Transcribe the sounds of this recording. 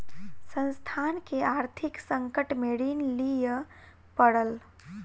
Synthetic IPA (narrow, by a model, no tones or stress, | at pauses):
sə̃nst̪ʰankeaɾt̪ʰiksəŋkəʈmeɽinlijə | pəɽəl